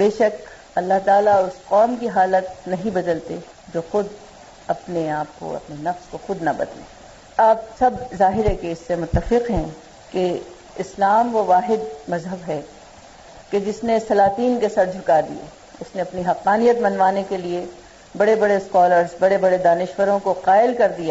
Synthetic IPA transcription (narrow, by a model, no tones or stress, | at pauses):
beːʃɐk | ɐlːaɦt̪aːlaʊsqɔːmk̬iɦaːlət̪̚nɐɦĩbɐd̪əlt̪e | d͡ʒoːxʊd̪ | ɐpneaːp̚ko̰ɐ̰pnenɐfskoxʊd̪nɐbɐ̰d̪lḛ̃ː | aːp̚sɐbzaːɦɪɾɦɛkeɪsːemʊt̪ːəfɪqɦɛ̃ | ke | ɪslaːmkoʋaːɦɪd̪mɐzɦəbɦɛ | ked͡ʒɪsnesɐlaːt̪iːnkesɐɾd͡ʒʱʊkad̪ḭja̰ | ʊsneɐpniɦɐqːaːnijət̪mɐnʋaːnekelie | bɐɽebɐɽeskɔːləɾzbɐɽebɐɽed̪aːnɪʃʋəɾõkoqaːɪlkɐɾd̪ijaː